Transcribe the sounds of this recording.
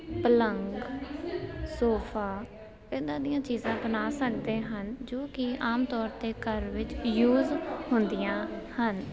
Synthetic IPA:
pələŋɡ | soːpʰaː | ed̪ãːd̪ɪjãːt͡ʃiːzãːbənaːsəkd̪eːɦənd͡ʒoːkɪaːmt̪ɔːɾt̪eːkəɾʋɪt͡ʃjuːzhʊnd̪ɪjãːhən

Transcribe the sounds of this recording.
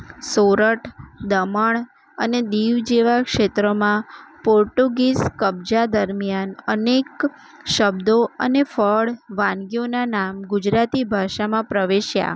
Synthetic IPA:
soɾəʈʰd̪əməɳ | əned̪iʋd͡ʒeʋakʃet̪ɾəmãpoɾʈuɡiskəbd͡ʒad̪əɾmijanənek | ʃəbd̪oə̰nefəɭʋãnɡijonanamɡud͡ʒɾat̪ibʱaʃamãpɾəʋeʃja̰

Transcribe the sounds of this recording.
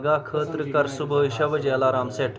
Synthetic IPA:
ɡaːkʰəːt̪ɾkɐɾsubʱəɦʃɐʋəd͡ʒeːlaːɾaːmseːʈʰ

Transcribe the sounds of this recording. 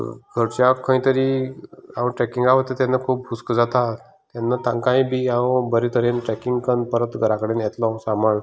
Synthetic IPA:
ɡʱəɾt͡ɕakʰə̃ĩt̪əɾiaəʈɾɛkiŋɡaʋət̪et̪janːakʰuːp̚uskd͡zat̪a | t̪janːət̪ãŋkãĩbiːãbəɾit̪ʰəɾenʈɛkiŋɡkənpəɾət̪ɡʱəɾakəɽeːnjɛt̪lɔ̃samaɳ

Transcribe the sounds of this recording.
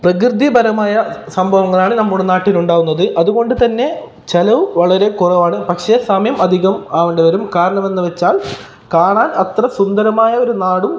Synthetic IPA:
prɐkrɨd̪ibʱɐɾɐmaːjɐsɐmbʱɐʋɐŋːɐɭaːɳɨnɐmːuɽenaːʈːiluɳɖaːɣunːɐðɨʔɐðuɣo̞ɳɖɨt̪ɐnːe̞ | t͡ɕelɐʋʋɐɭɐɾe̞kurɐʋaːɳɨpɐkʂe̞saːmjɐmɐd̪ʱiɣɐmɐʋɐɳɖeʋɐɾumkaːɾɐɳɐme̞nːɨʋet͡ɕːaːl | kaːɳaːnɐt̪rɐsund̪ɐɾɐmaːjɐo̞ɾunaːɽu

